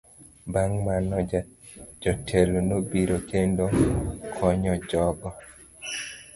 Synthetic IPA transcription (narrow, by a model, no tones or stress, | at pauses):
baŋmanɔ | d͡ʒɔtʰelonobiɾokendokʰɔɲɔd͡ʒɔɡɔ